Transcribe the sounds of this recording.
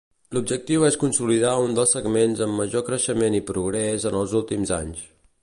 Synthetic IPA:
lub̚d͡ʒək̚t̪iweskunsuliðaund̪əlˠsəɡmenzəmːəʒokɾəʃəmenipɾuɣɾɛzənəlˠzulˠt̪imza̰ɲs

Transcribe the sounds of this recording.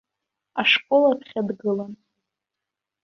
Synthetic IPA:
aʂkʼolapʰχʲadɡɨlan

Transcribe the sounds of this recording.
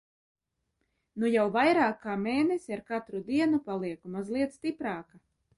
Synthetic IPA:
nujawvajɾaːkːaːmeːnesʲiaɾkat̪ɾud̪iɛnupalˠiɛkumazlˠiɛt̪st̪ipɾaːka

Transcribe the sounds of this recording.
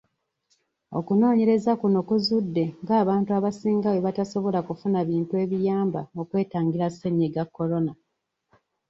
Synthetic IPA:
o̞̰kuno̞ːɲe̞ɾe̞zakunokuzudːe̞ŋɡaːβaːntuaβasiːŋɡawe̞βataso̞βo̞lakufunaβiːntue̞ːβijaːmba̰o̞kwe̞ːtaːŋɡiɾaseɲeɡakːo̞lo̞na

